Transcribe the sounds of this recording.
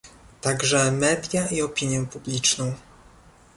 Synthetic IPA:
t̪aɡʐɛmɛd̪ʲjaʔiɔpʲiɲjɛpublʲit͡ʂnɔ̃w̃

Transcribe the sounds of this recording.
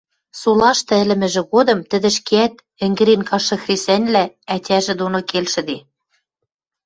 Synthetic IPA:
sulɑʃt̪ɤ̆ɘ̆lɘ̆mɘ̆ʒɘ̆ɣod̪ɤ̆mt̪ɘ̆d̪ɘ̆ʃkeæt̪̚ | ɘ̆ŋɡɘ̆ɾenkɑʃɤ̆xresænʲlæætʲæʒɘ̆d̪onokelʃɘ̆d̪e

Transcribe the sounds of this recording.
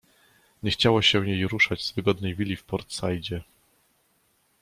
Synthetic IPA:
ɲɛxt͡ɕawɔɕɛ̃jejɾuʂad͡ʑzvɘɡɔd̪̚nɛjvʲilʲifpɔɾt̪sajd͡ʑɛ

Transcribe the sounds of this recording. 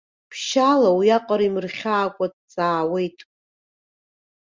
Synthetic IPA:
pʰʃalawiaqʼaɾimɨrχʲaːkʷʼad̚t͡sʼaːwe̞jtʼ

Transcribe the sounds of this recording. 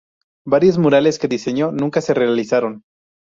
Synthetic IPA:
baɾjo̞zmuɾale̞ske̞ðise̞ɲo̞nũŋkase̞re̞alisaɾo̞n

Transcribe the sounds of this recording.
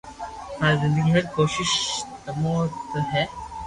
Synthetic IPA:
haːɾzɪ̃nd̪əɡiɦɐɾ̚koːʃɪʃt̪ɐmot̪ɦɛː

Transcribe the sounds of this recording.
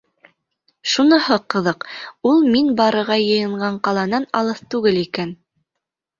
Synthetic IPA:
ʃunɤ̆hɤqɤ̆ðɤqulˠminbɑɾɤ̆ʁɑjɤ̆jɤ̆ɴɢɑɴqɑlˠɑnɑnɑlˠɤθt̪ʉɡɘlikæn

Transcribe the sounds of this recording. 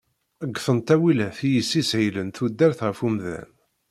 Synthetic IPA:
əɡːfənt̪æwilæθijəsːisʕilənθud̪ːæɾθʁəfumðæ̰n

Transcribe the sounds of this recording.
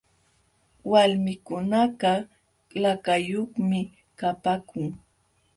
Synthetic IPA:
walmɪkʊnaɢɑ | lakajoχmɪ | kapakʊŋ

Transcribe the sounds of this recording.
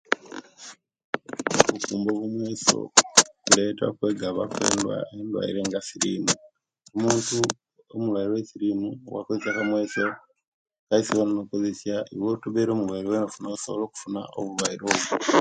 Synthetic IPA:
oβukuːmboβumweːso̰kuleta̰kwe̞ːɡaβakwḛːndwa̰endwa̰iɾe̞ːŋɡasiɾḭmu | omuːntu | omulwaiɾowesiɾimuwa̰kozesjakamweːso | kaisiβanonokozesjaʔiwotuβeɾo̞ːmulwaiɾowenofunausoβoloːku̥funa̰ʔo̰βulwaiɾo̞ːβu

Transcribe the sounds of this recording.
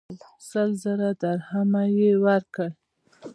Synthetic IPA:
səlzəɾad̪aɾhamajewaɾkəl

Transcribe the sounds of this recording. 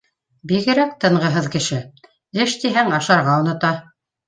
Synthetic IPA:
biɣɘ̆ɾæk̚t̪ɤ̆ɴɢɤ̆ɦɤðkɘ̆ʃɘ | ɘʃt̪iɦæŋɑʃɑɾʁɑunɤ̆t̪ɑ

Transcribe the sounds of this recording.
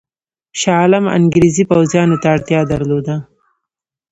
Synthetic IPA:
ʃɑlama̰ŋɡɾezipawzjɑnot̪aːɽt̪jɑd̪aɾlod̪a

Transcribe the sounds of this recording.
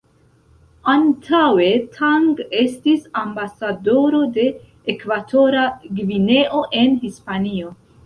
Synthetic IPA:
antʰawe̞tʰaŋɡestisambasado̞ɾo̞de̞ː | kvatʰo̞ɾaɡvine̞ʔo̞ʔe̞nhispanio̞

